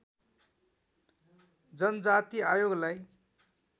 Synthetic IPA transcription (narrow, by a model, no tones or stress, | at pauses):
d͡zʌnʌd͡zat̪iajoɡlaj